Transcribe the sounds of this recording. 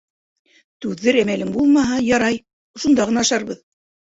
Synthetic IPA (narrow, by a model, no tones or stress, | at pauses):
t̪ʉðːɘɾæmælɘŋbulˠmɑɦɑjɑɾɑj̆ | ʃund̪ɑʁɤ̆nɑɑʃɑɾβɤð